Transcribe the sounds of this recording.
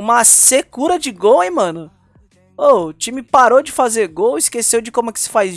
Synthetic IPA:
ũmɐsekuɾɐd͡ʒɪɡowejmɐ̃nʊ | oʊt͡ʃĩmɪpaɾod͡ʒɪfazeɾɡowɪskesewd͡ʒɪkõmʊɛkɪ̥sɪ̥faj

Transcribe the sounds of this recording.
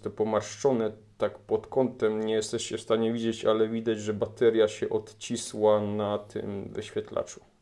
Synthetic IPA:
t̪ɔpɔmaɾʂt͡ʂɔnɛt̪akpɔt̪kɔnt̪ɛmɲɛjɛst̪ɛʂt͡ɕɛfst̪aɲɛvʲid͡ʑet͡ɕalɛvʲid̪ad͡ʑʐɛbat̪ɛɾʲjaɕɛʔɔt̪t͡ɕiswanat̪ʰɘ̰mvɘ̰ɕfʲjɛt̪la̰t͡ʂu̥

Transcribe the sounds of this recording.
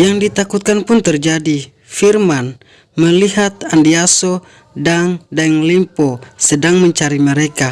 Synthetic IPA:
jaŋdit̪akut̪̚kanpʊnt̪ərd͡ʒadi | firman | məliɦat̪̚andiaso | daŋdaŋlimposədaŋməɲt͡ʃaɾiməɾeka

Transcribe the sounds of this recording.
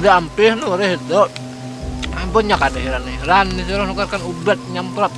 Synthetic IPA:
diampihnuɾɛɦit̪ɔ | bəɲakadaɦiɾanɾanːisiɾɔhnukarkanubat̪̚ɲampɾɔt̪̚

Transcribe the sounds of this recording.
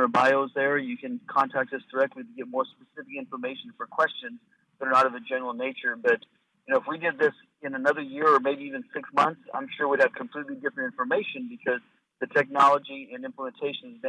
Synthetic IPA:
ə˞baɪoʊzðə˞jɨkɨ̃nkʰɑ̃ntʰæk̚t̚ðʌsd̥ə˞ɛk̚tˡliɾɨɡɛt̚mɔɹspɨsɪfɨkɪ̃ɱfə˞meɪʃn̩fə˞kʰw̥ɛst͡ʃɨ̃nz | ðəɾə˞nəɾʌvɨd͡ʒɛnə˞l̩ˠneɪt͡ʃə˞bʌt̚ | jɨnoʊəfwidɨd̪̚ðɪs | ɨ̃nənʌðə˞jɪɹə˞meɪbiivɨ̃nsɪksmʌ̃nθsã̰ɪ̃mʃʊɹwiɨv̥kʰm̩pʰl̥itˡlidɪfɹɨ̃ntɪ̃ɱfə˞meɪʃɨ̃nbɨkʰʌz | ðɨtʰɛk̚nɑlˠəd͡ʒiɨ̃nɪ̃mpləmɨ̃n̩tʰeɪʃɨ̃nzbɨ̃

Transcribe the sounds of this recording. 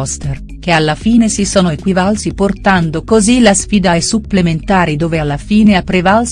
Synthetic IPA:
st̪er | k̟ealːafiːnesisoːnoekwivalsiport̪and̪okozilasfiːd̪aɛsupːlement̪aːɾid̪oːvealːafiːneapːɾevals

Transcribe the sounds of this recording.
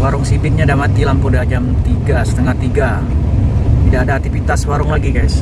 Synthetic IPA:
waɾʊŋsipɪk̪̚ɲadamat̪ilampudad͡ʒamt̪iɡasə̥t̪əŋaht̪iɡa | t̪idaʔːdaːk̚t̪ifit̪aswaɾʊŋlaɡikajs

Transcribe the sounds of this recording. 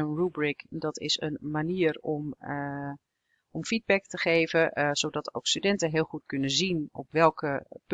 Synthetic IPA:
ənrubrikdɔtɪ̰sə̰nmaniərɔm | ʔɔmfid̚bɛktəχeːvəz̥oːdɔto̰wkstydɛntəɦɪəlˠxutkɵnəzinɔ̰pʋɛlˠkəp

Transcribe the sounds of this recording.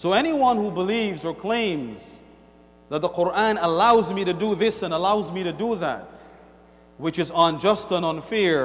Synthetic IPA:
soʊɛñiwʌ̃nhubəlivzə˞kʰl̥ẽɪ̃mz̥ | ðət̪̚ðəqʊɹæ̃nəlaʊzmiɾɨdɨðɪsɨ̃nəlaʊzmiɾɨdəðæ̰t̚ | wɨt͡ʃɨz̃nd͡ʒʌstə̃nə̃nfɪɹ

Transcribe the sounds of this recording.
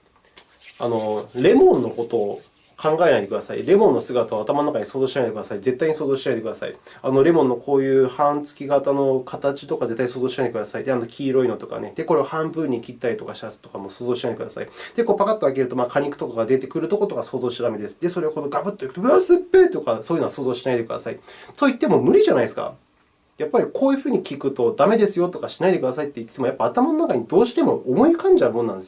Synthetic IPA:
a̰no̞ɾe̞mõ̞nːo̞ko̞t̪o̞ː | kʰãŋɡae̞naid̪ekd̪asaḭɾe̞mõ̞nːo̞sɨɡat̪aβaːt̪amanonakaɲ̟iso̞ːzo̞ːɕinaid̪ekd̪asaize̞t̪ːaiɲiso̞ːzoːɕinaid̪ek̟d̪asa̰ḭano̞ɾe̞mõ̞nːo̞kʰoːjɯ̟ːhãnt͡sɨ̥kʲiɡat̪ano̞kʰat̪at͡ɕi̥t̪o̞kaze̞t̪ːaisoːzo̞ːɕinaiekd̪asaid̪eano̞kʲʰiːɾo̞ino̞t̪o̞ka̰ne̞d̪̥e̞ko̞ɾe̞ahãmbɯ̟̃ɲ̟ːikʲit̪ːaɾit̪o̞kaɕiasɨ̥t̪o̞kamo̞ːsoːzo̞ːɕinaid̪ekɯd̪asa̰id̪̥eko̞ːpakat̪ːeakeɾɯ̟t̪o̞maːkʰaɲ̟ikɯ̥t̪o̞kaɡad̪e̞t̪e̞kɯ̟ɾɯt̪o̞ko̞t̪o̞kaso̞ːzo̞ːɕi̥t̪ad̪ame̞d̪e̞sɨ̥d̪e̞so̞ɾe̞oko̞noɡabɯ̟t̪ːoikt̪oɯ̟ɾasɨpːe̞ːt̪o̞kasoːjɯ̟noso̞ːzo̞ːɕinaid̪e̞kɯd̪a̰saḭt̪o̞it̪ːe̞mo̞mɯ̟ɾʲiʑanaisɨ̥ka̰ | japːaɾʲikʰoːjɯ̟ɸɯ̟ːɲ̟ikʲikɯ̟t̪o̞d̪ame̞d̪esɨjo̞t̪o̞kaɕi̥naid̪e̞kɯ̟d̪asait̪ːe̞it̪ːe̥t̪eojapːaːt̪amano̞nːakaɲ̟id̪o̞ːɕi̥t̪e̞mo̞omo̞ikãɲ̟d͡ʑaɯ̟mo̞nːãnd̪esj

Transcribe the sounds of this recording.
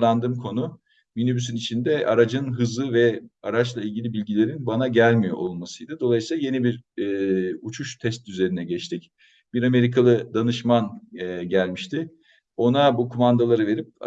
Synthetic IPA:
and̪ɯːmkʰo̞nu | mynybysynit͡ʃʰind̪ɛʔa̰ɾad͡ʒɯnɦɯzlˠɯvɛa̰ɾat͡ʃlˠailʲɟʲilʲibilʲɟilʲe̞ɾinbanaɟælʲmijo̞̰ʔolˠmasɯjd̪ɯd̪o̞lˠajɯsiːlˠaje̞nibiɾː | ut͡ʃʰuʃt̪ʰɛst̪yze̞ɾinɛɟɛt͡ʃt̪ʰic | b̥iɾame̞ɾikʰalˠɯd̪anɯʃmanɟælʲmiʃt̪ʰɪ | o̞nabukʰumand̪alˠaɾɯve̞ɾip̚

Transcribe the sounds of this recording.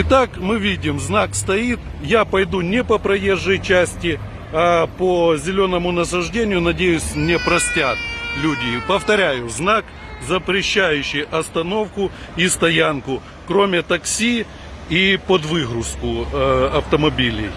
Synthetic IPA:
ɪt̪akmɨʋʲidʲɪmznakst̪ɐit̪ | japɐjd̪unʲɪpəpɾɐje̞ʐːɨjt͡ɕæsʲtʲɪ | ɐpəzʲɪlʲo̞nəmʊnɐsɐʐdʲenʲɪjʊnɐdʲejʊsʲmnʲepɾɐsʲtʲat̪lʲudʲɪpəft̪ɐɾʲæjʊznak | zəpɾʲɪɕːæjʉɕːɪjɐst̪ɐno̞fkʊist̪ɐjankʊ | kɾomʲɪt̪ɐksʲi | ipod̪ʋɨɣɾʊskʊɐft̪əmɐbʲilʲɪ̰j

